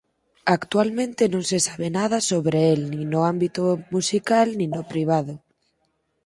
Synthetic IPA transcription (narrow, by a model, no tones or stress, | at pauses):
akt̪ualmẽnt̪enõŋsesaβ̞enað̞asoβɾeelnĩnoambit̪omusikalnĩnopɾiβ̞að̞ʊ